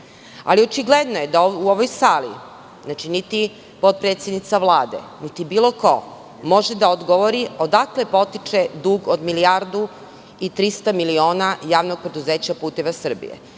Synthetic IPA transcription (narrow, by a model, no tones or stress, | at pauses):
a̰liot͡ʃiɡled̪nojed̪auoʋojsaːlḭ | znaːt͡ʃinit̪i | po̞t̪̚pɾe̞ːt̪sje̞d̪nit̪saʋlˠaːd̪ḛnit̪ibiːlˠo̞ko̞̰ | mo̞ʒed̪aod̪ɡoʋoɾiod̪akle̞po̞t̪it͡ʂed̪uːɡod̪milijaɾd̪u | it̪ɾist̪amilio̞ːnajaːʋnoɡ̚pɾe̞d̪uzeːt͡ɕapuːt̪eʋasr̩bḭjḛ